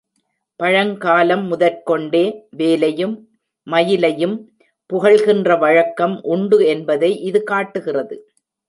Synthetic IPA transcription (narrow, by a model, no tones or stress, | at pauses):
pɐɻɐŋkaːlɐmːʊðɐɾkɔɳɖeːʋeːlɐjɯmː | ɐjɪlɐjɯm | pʊɣɐɭɣɪndrɐʋɐɻɐkːɐmʔʊɳɖɯɛnbɐðɐɪʔɪðɯkaːʈːɯɣɪrɐðɯ